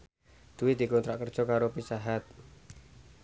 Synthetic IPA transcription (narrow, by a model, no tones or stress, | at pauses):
d̪̥uwid̪̥i̤kɔnt̪ɾaʔkərd̥ʒ̥ɔ̤kaɾopisaɦat̪̚